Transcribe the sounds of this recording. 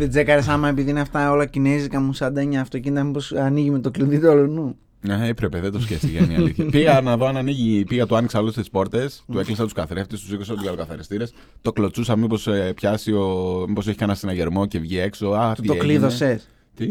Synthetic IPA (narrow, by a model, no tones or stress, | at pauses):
ðed͡ze̞kɐɾesɐmɐepiðinɐft̪ɐo̞lɐcinezikɐmusɐd̪ɐɲɐːft̪o̞cinit̪ɐmipo̞sɐniʝimet̪okliðit̪eolunu | neepɾepeðed̪oscefst̪iʝenḭllḭθçɐpiɣɐnɐðoɐnɐniʝipiɣɐt̪uɐniksɐlost̪i̥spo̞ɾt̪e̞st̪ue̞klisɐt̪uskɐθɾe̞ft̪est̪u̥sikos̬ot̪uʝalokɐθɐɾist̪iɾe̞s | t̪o̞klo̞t͡susɐmipo̞spçɐsio̞mipos̬eçi̥kɐnɐsenɐʝe̞ɾmo̞ce̞vʝie̞kso̞ait̪okliðoses | t̪i